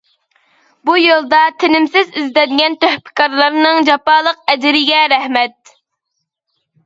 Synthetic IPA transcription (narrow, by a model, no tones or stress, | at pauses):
bujolˠd̪ɑt̪ʰɪnɪmsɪzizd̪ɛnɡʲɛnt̪øhpʰɪ̥kɑɾlˠɑɾnɨŋd͡ʒɑpɑːlˠəq̚ɛd͡ʒɪɾɪɡʲɛɾɛhmɛt̪̚